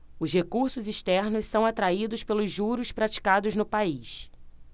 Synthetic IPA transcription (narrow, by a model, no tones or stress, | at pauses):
ʊzhekuɾsʊziʃt̪ɛɾnʊssɐ̃w̃at̪ɾaid̪ʊspelʊzʒuɾʊspɾat͡ʃi̥kad̪ʊznʊpais